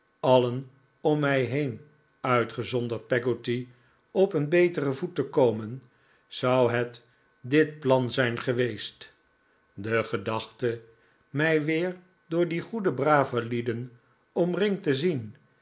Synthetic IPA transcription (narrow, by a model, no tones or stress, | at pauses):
ɑlən | ɔmːɛjɦejn | œɥtχəzɔndəɹt̚pɛɡoti | ɔpənbejtərəvutəkowmən | z̥ɑwɦɛt | dɪt̚plɑnzɛjnχəʋejst | dəχədɑχtə | mɛjʋɪːɹ | dʊːɹdiχudəbraːvəlidən | ɔmrɪŋtəzin